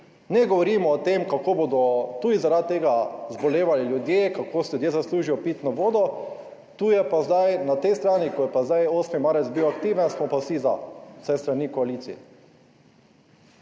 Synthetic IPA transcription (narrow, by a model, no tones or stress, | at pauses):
nɛɡɔʋɔɾiːmɔːt̪emkakobod̪ɔt̪uːd̪izaɾad̪̚t̪ːeːɡazbɔleːʋaliljud̪jeːkakʰoːsɛljud̪jezasluːʒijɔpiːt̪nɔʋoːd̪ɔ | t̪uːjɛpazd̪ajnat̪ɛjst̪ɾaːnikɔjɛpazd̪ajoːsmimaːɾɛt̪zbiwakt̪iːʋɛnsmɔpasiza̰̥sɛst̪ɾanikɔaliːt̪sḭjɛ̰